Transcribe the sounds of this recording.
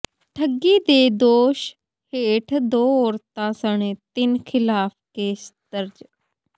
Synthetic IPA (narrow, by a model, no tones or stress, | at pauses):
ʈʰəɡːiːd̪eːd̪oːʃ | heːʈʰd̪oːoːɾt̪ãːsəɳ̃eːt̪ɪnkʰɪlaːpʰkeːst̪əɾd͡ʒ